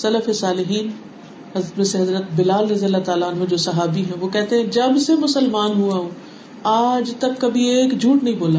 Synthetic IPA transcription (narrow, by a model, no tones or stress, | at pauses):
sɐləfesaːlɪɦiːn | ɦɐzɾət̪mẽːseɦɐzɾət̪bɪlaːlɾɐzijəlːat̪aːlaənɦõd͡ʒoːsɐɦaːbiɦɛ̃ʋoːkɛɦt̪eɦɛ̃d͡ʒɐbsemʊsəlmaːnɦuaːɦõː | aːd͡ʒt̪ɐbkɐbʱieːkd͡ʒʱuːʈnɐɦĩboːlaː